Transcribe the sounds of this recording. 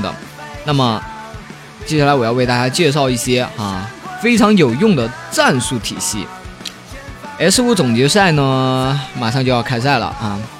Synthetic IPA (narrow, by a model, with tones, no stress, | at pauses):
d̪ə̰˩ŋna˥˩mə˩ | t͡ɕjɛ˥˩ɕja˥˩la˧˥ɪwɔ˨˩jɑ˥˧w̪a˥˩t͡ɕja˥t͡ɕjɛ˥˧ʂ̬ɑ˥˧ʊi˥˩ɕjɛ˥a˥˧fe˥ɪʈ͡ʂʰɑ˧˥ŋjo˨˩ʊjʊ˥˩ŋd̪ə˩t͡sa˥˧nsu˥˩t̪ʰḭ˨˩ɕḭ˥˩ | ɛ˧˥sɹ̩˥u˥t͡sʊ˨˩ŋt͡ɕɥɛ˧˥s̬a˥˩ɪnə˩ma˨˩ʂɑ˥˧ŋt͡ɕjo˥˧ʊjɑ˥˧ʊkʰa˥ɪs̬a˥˩ɪlə̰˩a˥˩